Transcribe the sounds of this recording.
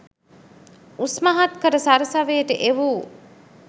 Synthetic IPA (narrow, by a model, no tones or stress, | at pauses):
usmaɦat̪kəɾəsaɾəsaʋeːʈəʔeʋuː